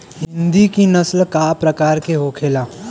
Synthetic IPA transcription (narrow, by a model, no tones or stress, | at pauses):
ɦɪ̃nd̪ikinɐslkaːpɾɐkaːɾkeɦoːkʰeːlaː